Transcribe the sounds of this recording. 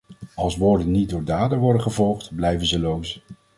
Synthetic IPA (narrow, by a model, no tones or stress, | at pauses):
ɑlˠsʋʊːɹdənit̚dʊːɹdaːdəʋɔɹdəχəvɔlˠχtblɛjvənzəlows